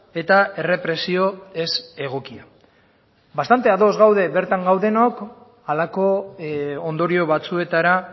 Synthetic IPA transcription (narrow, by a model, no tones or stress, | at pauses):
e̞t̪ae̞re̞pɾe̞sio̞e̞se̞ɣ̞o̞kia | bast̪ant̪e̞aðo̞zɣawðe̞βe̞ɾt̪aŋɡawðe̞nok | alako̞ | ond̪o̞ɾio̞βat͡sue̞t̪aɾa